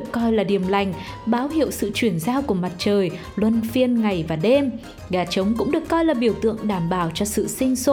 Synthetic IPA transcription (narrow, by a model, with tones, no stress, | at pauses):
kːɔ˧jlaː˨˩ɗi˨˩əmla˨˩jŋ̟ɓaː˨˦whḭ˧˨əwsɨ̰˧˨t͡ɕwi˧˩ənzaː˧wku˧˩əma˨˩t̚t͡ɕəː˨˩j | lwə˧nfi˧ənŋa˨˩jvaː˨˩ɗe˧m | ɣaː˨˩t͡ɕə˨˦wŋ͡mkʊ̰˧˥ŋ͡mɗɨ˨˩əkːɔ˧jlaː˨˩ɓi˨˧˩əwt̪ɨ̰˧˨əŋɗaː˧˩mɓaː˧˩wt͡ɕɔ˧sɨ̰˧˨sï˧ŋ̟so˧˦